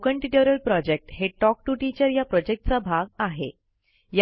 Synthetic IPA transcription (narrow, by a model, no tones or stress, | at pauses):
kəɳʈiʈəɾəlpɾɔd͡ʑek̚ʈɦeʈɔk̚ʈuʈit͡ɕəɾjapɾɔd͡ʑek̚ʈt͡sabʱaɡaɦḛ | j